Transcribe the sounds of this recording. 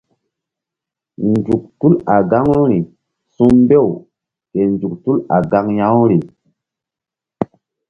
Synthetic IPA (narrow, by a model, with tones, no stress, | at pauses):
nd͡ʒu˨k̚tu˦la˨ɡa˦ŋu˦ɾi˨ | su˦mbe˦˨w | ke˨nd͡ʒu˨k̚tu˦la̰˨ɡa˦ŋja˦wɾi˨